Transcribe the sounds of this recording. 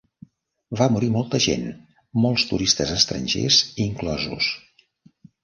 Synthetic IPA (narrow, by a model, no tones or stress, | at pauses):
βamuɾimɔlˠt̪əʒḛn | mɔlˠst̪uɾist̪əzəst̪ɾə̰nʲʒḛziŋklɔzṵs